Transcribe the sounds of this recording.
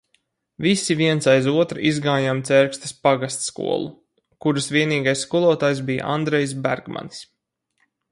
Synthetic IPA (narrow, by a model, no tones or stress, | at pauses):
visiviɛnsajzuɔt̪ɾizɡaːjamt̪sɛɾkst̪ḁspaɡast̪skṵɔlˠu | kuɾasviɛniːɡajsːkulˠuɔt̪aːjs̬bija̰ʔa̰nd̪ɾɛjs̬bæɾɡma̰ns